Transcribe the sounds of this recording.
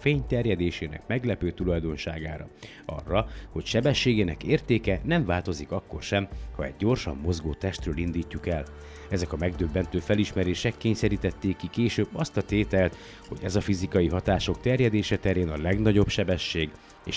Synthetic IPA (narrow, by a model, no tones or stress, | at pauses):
feːɲt̪ɛrjɛd̪eːʃeːnɛ̰kmɛɡlɛpøːt̪ulɒjd̪o̞nʃaːɡa̰ːɾɒ̰ | ɒ̰rːɒho̞cʃɛbɛʃːeːɡeːnɛkeːrt̪eːkɛnɛɱvaːlt̪o̞zikɒkːo̞̰rʃɛmhɒɛ̰ɟːo̞rʃɒ̰mːo̞zɡoːt̪ɛʃt̪røːlind̪iːcːukɛl | ɛzɛkɒmɛɡd̪øbːɛnt̪øːfɛliʃmɛɾeːʃɛkːeːɲsɛɾiːt̪ɛt̪ːeːkːikeːʃøːbːɒst̪ɒt̪eːt̪ɛlt̪ | ho̞̰ɟɛzɒfizikɒjiɦɒt̪aːʃo̞kt̪ɛrjɛd̪eːʃɛt̪ɛɾeːnɒlɛɡnɒɟo̞pʃɛbɛʃːeːɡ | ḛːʃ